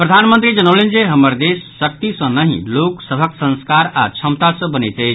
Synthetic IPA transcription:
pɾɐd̪ʱanmənt̪ɾid͡ʒɐnəwlind͡ʒeɦəməɾd̪eːsːək̚t̪isə̃nəɦḭ̃loːksəbʱəksə̃nskaɾat͡ʃʰɐmt̪asɐ̃bənet̪e

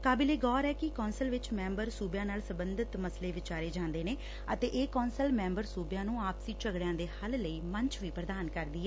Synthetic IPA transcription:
kaːbileːɡɔːɾɛːkɪkɔːnsəlʋɪt͡ʃmɛ̃ːmbəɾsuːbjãːnaːlsəbənd̪ʱɪt̪məsleːʋɪt͡ʃaːɾeːd͡ʒãːnd̪eːneː | ət̪eːʔeːkɔːnsəlmɛ̃ːmbəɾsuːbjãːnũːaːpsiːt͡ʃəɡɽjãːd̪eːhəlləiːməɲt͡ʃʋiːpɾəd̪aːnkəɾd̪iːɛː

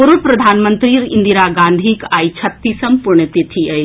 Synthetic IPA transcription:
oɾupɾɐd̪ʱaːnmənt̪ɾiɾind̪iɾaːɡãːnd̪ʱikaːjt͡ʃʰɐt̪ːisɐmpuɾɳət̪et̪ʰiɐj

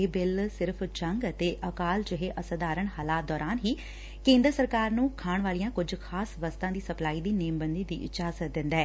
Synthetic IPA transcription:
eːbɪlsɪɾpʰt͡ʃəŋɡət̪eːʔəkaːld͡ʒɪɦeːʔəsəd̪aːɾəɳ̃haːlaːt̪̚d̪ɔːɾaːnɦiː | kẽːnd̪əɾəsəɾkaːɾnũːkʰaːɳ̃ʋaːlijãːkʊd͡ʒkʰaːsʋəst̪ãːd̪iːsəplaːiːd̪iːneːmbənd̪iːd̪ḭːʔɪ̰t͡ʃaːzət̪̚d̪ɪ̃nd̪aɛː

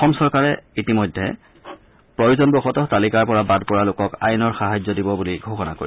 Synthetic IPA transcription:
ɔxɔmsɔɹkaɹɛitimɔjdʱːɛ̰ | pɹɔjuzɔnbɔxɔtɔtalikaɹpɔɹabadpɔɹalʊkɔka̰jnɔɹxaɦazɔdibɔbuliɡʱoxɔna̰koɹi

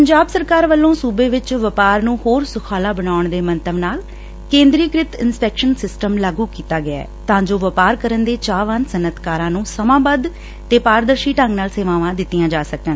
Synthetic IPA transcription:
pəɲd͡ʒaːbsəɾkaːɾʋəlːõːsuːbeːʋɪt͡ʃʋəpaːɾnũːhoːɾsʊkʰaːlaːbənaːʊɳd̪eːmənt̪əʋnaːl | kẽːnd̪ɾiːkɾɪt̪ɪnspɛːkʃənsɪsʈəmlaːɡuːkiːt̪aːɡɪɛ̰ːt̪ãːd͡ʒoːʋəpaːɾkəɾənd̪eːt͡ʃaːʋənsənət̪kaːɾãːnũːsəmãːbəd̪ | t̪eːpaːɾd̪əɾʃiːʈəŋɡnaːlseːʋaːʋãːd̪ɪt̪ːɪjãːd͡ʒaːsəkən

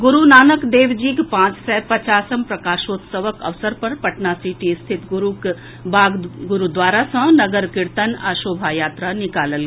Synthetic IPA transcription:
ɡʊɾunaːnəkd̪eːʋd͡ʒiːkpãːt͡ʃsɛpɐt͡ʃaːsəmpɾɐkaːʃoːt̪səʋəkɐ̰ʋsəɾpɐɾpɐʈnasiːʈist̪ʰɪt̪ɡʊɾuk | bʱaːɡɡʊɾud̪ʋaːɾasə̃nɐɡəɾkɪɾt̪ənaʃoːbʱajaːt̪ɾanɪkaːləl

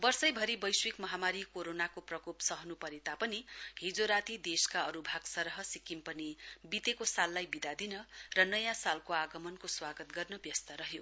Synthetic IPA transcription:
bʌrsʌjbʱʌɾibʌjswikmʌɦamaɾikoɾonakoprʌkopsʌɦnupʌɾet̪apʌniɦid͡zoɾat̪id̪eskaʌɾubʱaɡsʌɾʌɦʌsikimpʌnibit̪ekosalːajbid̪ad̪inʌrʌnʌjãsalkoaɡʌmʌnkoswaɡʌt̪ɡʌrnʌbjʌst̪ʌɾʌɦjo

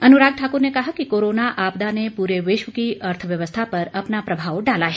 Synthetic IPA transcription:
ɐnuɾaːɡ̚ʈʰaːkuɾnekɐɦakikoɾonaʔaːpd̪anepuɾeʋɪʃʋəkiɐɾt̪ʰəʋjɐʋəst̪ʰapɐɾɐpnapɾɐbʱaːʋɖalaɦe

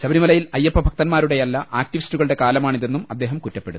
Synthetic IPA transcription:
ɕɐbɐɾimɐlɐjilɐjːɐpːɐbʱɐkt̪ɐnmaːɾuɽe̞jɐlːɐʔaːk̚ʈiʋistuɣɐɭɨɽe̞kaːlɐmaːɳiðe̞nːumɐd̪ːe̞ːɦɐmkutːɐpːe̞ɽuð

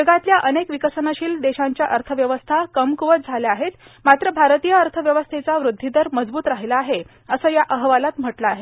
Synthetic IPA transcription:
d͡ʑəɡat̪ljaʔənekʋikəsənaɕiːld̪eɕaɲt͡ɕjaʔəɾt̪ʰəʋjəʋəst̪ʰakəmkuʋət͡s̪̚d͡zʱaljaaɦet̪ | mat̪ɾəbʱaɾt̪ijəəɾt̪ʰəʋjəʋəst̪ʰet͡saʋɾud̪ʱːid̪əɾməd͡zbuːt̪ɾaɦilaːɦe | əsəːjaʔəɦʋalat̪m̤əʈlaːɦe

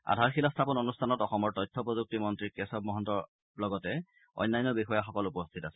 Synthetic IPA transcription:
a̰dʱaɹxilastʰapɔnonustʰanɔtɔxɔmɔɹtɔjtʰːɔpɹozuk̚timɔntɹikɛsɔb̚mɔɦɔntɔɹ | lɔɡɔtɛ | ɔ̰jnːajnːɔbixɔjaxɔkɔlupɔstʰitasɛ̥

